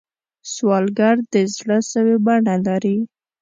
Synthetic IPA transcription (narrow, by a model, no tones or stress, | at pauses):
swɑlɡaɾd̪əzɽəsəwebaɳalaɾi